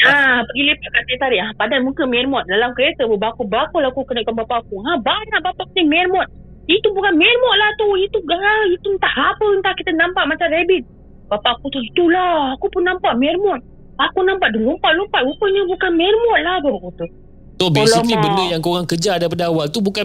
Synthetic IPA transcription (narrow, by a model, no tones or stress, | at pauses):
apəɡilepəkat̪et̪aɾiahpadanmuŋkəmɛrmɔt̪̚dalamkəɾet̪əbəbakubakulakukənəʔkanbapakuahbaɲaʔbapaʔkənimɛrmɔt̪̚ | it̪ubukanmɛrmɔt̪̚laht̪uit̪uait̪unt̪aʔapəŋk̪ahkit̪ənampaʔmat͡ʃamrebit̪̚ | bapaʔkut̪uhit̪ulaakupʊnːampaʔmɛrmɔt̪̚ | akunampaʔdulumpaʔlumpaʔupəɲəbukanmɛrmɔt̪̚lahbapakut̪u | kt̪ɔbolikibənəjaŋkoɣaŋkəd͡ʒadap̬adaawalt̪ubuka